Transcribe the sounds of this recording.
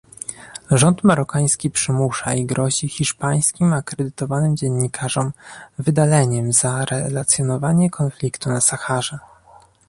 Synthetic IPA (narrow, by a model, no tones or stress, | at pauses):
ʐɔnt̪maɾɔkaj̃skʲipʂɘmuʂaiɡɾʔɔʑixʲiʂpaj̃skʲimakɾɛd̪ɘt̪ɔvanɘmd͡ʑɛɲːikʰaʐɔmvɘd̪alɛɲɛmzaɾɛlat̪sʲjɔnɔvaɲɛkʰɔnflʲikt̪unasaxaʐɛ